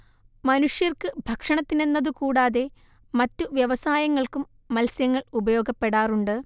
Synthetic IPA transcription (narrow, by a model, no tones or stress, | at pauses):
mɐnuʂjɐrkɨbʱɐkʂɐɳɐt̪ːine̞nːɐðɨkuːɽaːðe̞ | mɐtːuʋjɐʋɐsaːjɐŋːɐɭkumːɐlsjɐŋːɐɭubɐjo̞ːɡɐpːe̞ɽaːruɳɖɨ